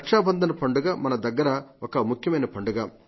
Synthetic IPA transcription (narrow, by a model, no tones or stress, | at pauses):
kʂaːbɐnd̪ʱɐnɐpɐɳɖuɡaːmɐnɐd̪ɐɡːɐɾɐokɐmukʰjɐmɐjnɐpɐɳɖuɡaː